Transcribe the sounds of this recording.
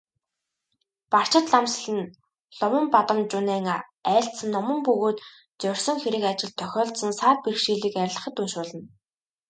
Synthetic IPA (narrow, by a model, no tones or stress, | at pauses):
par̥t͡ɕɪ̆t̪ɮamsɮɘ̆n | ɮʊmə̆mpat̪ə̆mt͡ɕʊnæːŋa | æːɬsə̆nːɔmə̆mpɵɣoːt̪ | t͡sœr̥ʲsɞ̆ŋxeɾɘ̆kat͡ɕɪ̆ɮt̪ʰːœxʲɔːɮsə̆nsaːt̪̚pirkʃiːɮiːkæɾ̆ʲɮə̆χə̆t̪ːunʃʊːɮə̆n